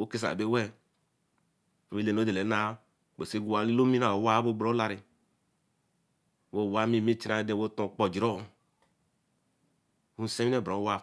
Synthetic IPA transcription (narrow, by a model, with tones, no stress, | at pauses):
wo˦ke˦s̬a̰˨be˦wɛ˦˨ | mi˦le˨n˨o˦de˨le˨˦na˦˨ | be˨se˦ɡu˦˨wa˨li˦lo˦mi˦na˨wa˦bo˦ɡ͡bɾo˨˦la˧ɾi˨ | wo˦˨wa˦mi˦˨mi˦t͡ʃi˦ɾa˨˦de˨wo˦tõ˨k͡pɔ˨d͡ʒi˨ɾo˦˨ | wu˦˨sẽ˦mi˦ɛ˦˨bɾo˨˦wa˦